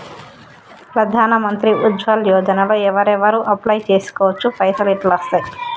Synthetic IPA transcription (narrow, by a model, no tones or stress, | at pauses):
pɾɐd̪ʱaːnɐmɐnt̪ɾiʔud͡ʒ̪ʋɐljɔːd͡ʒ̪ɐnɐloɛʋɐɾɛʋɐɾuʔɐplajt͡ʃeːsu̥kɔːʋɐt͡ʃːupɐjsɐliʈlɐst̪ɐj